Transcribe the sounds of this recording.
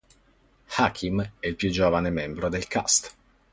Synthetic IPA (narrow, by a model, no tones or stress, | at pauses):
xakʰimɛilpjud͡ʒːoːvanemɛmbɾod̪elkʰa̰st̪